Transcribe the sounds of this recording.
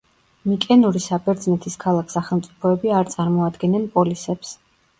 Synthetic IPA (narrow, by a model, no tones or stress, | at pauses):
mikʼɛnuɾisabɛɾd̪znɛt̪ʰiskʰalˠakʰsaχɛlˠmt̪sʼi̥pʰɔɛbiaɾt̪sʼaɾmɔad̪ɡɛnɛnpʼɔlisɛps